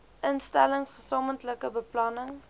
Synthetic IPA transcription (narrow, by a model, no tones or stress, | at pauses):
ʔənstæ̰ləŋsχəsɑːməntləkəbəplɑnəŋ